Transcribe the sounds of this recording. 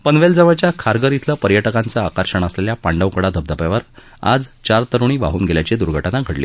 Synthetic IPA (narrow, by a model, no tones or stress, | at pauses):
pənʋeld͡zəʋət͡ɕjakʰaɾɡəɾit̪ʰləpəɾjəʈəkant͡səakəɾɕəɳəsleljapaɳɖəwkəɽad̪ʱəb̚d̪əpjaʋəɾ | a̰d͡zt͡ɕaɾt̪əɾuɽ̃iːʋa̰ɦuːnɡeljat͡ɕed̪uɾɡʱəʈanaɡʱəɽlḭː